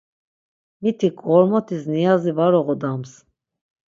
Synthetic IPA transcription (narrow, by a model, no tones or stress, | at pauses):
mit̪ʰikʼɔɾmɔt̪ʰisnijazivaɾɔʁɔd̪ams